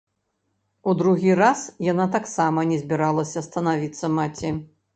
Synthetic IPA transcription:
ud̪ɾuɣʲirasjanat̪aksamɐnʲɛzʲbʲiɾalˠɐsʲɐst̪ɐnavʲit̪sːɐmat͡sʲi

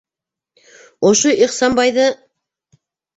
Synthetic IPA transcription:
ŏʃoʔiχsɑnbɑjðɤ

